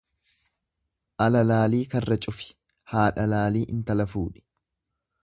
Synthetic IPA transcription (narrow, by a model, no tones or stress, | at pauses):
ʔɐlɐlaːliːkɐrːɐt͡ʃʼʊfɪ̥ | haːᶑɐlaːliːʔɪnt̪ɐlɐfuːᶑɪ̥